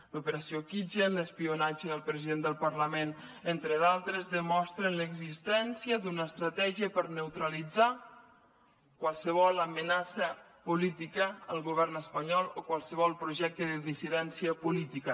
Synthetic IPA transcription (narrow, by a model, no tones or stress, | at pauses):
lupəɾasiokid͡ʒenləspiunad͡ʒəəlˠpɾəziðend̪əlˠpərləmenent̪ɾəðalˠt̪ɾəzðəmɔst̪ɾənləɡzist̪ɛnsiəd̪unəːst̪ɾət̪ɛʒiəpəɾnəwt̪ɾəlid͡za | kwalˠsəβ̞ɔlˠəmənasə | pulit̪ikəːlˠɣuβɛrnəspəɲɔlˠokwalˠsəβ̞ɔlˠpɾuʒɛk̚t̪əðəðisiðɛnsiəpulit̪ikə